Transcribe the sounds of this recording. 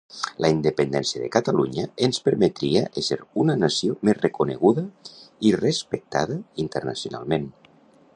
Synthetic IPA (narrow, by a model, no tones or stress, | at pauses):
lʔaind̪əpend̪ɛnsiəðekat̪aluɲəenspəɾmet̪ɾiaʔeseɾunənasiomezrekuneɣuðəirespek̚t̪a̰ðəint̪əɾnasiuna̰lˠmen